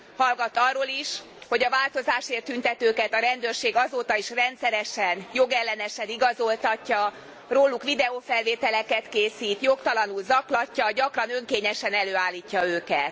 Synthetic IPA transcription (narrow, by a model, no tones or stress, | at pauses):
hɒlɡɒt̪ɒrːoːliʃ | ho̞ɟɒvaːlt̪o̞zaːʃeːrt̪ːynt̪ɛt̪øːkɛt̪ɒɾɛnd̪ørʃeːɡɒzoːt̪ɒiʃrɛnt̪sɛɾɛʃɛnjo̞ɡɛlːɛnɛʃɛniɡɒzo̞lt̪ɒcːɒ | roːlːukʋid̪ɛoːfɛlveːt̪ɛlɛkɛt̪keːsiːt̪jo̞kt̪ɒlɒnulzɒklɒcːɒɟɒkrɒnø̞ŋkeːɲɛʃɛnɛløːaːlːiːcːɒøːkɛt̪